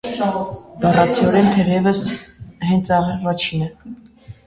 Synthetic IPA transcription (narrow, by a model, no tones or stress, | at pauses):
b̪ɑrɑt͡sʰiɔɾɛnt̪ʰɛɾɛvəsɦɛnt͡sʰɑrɑt͡ʃʰinɛ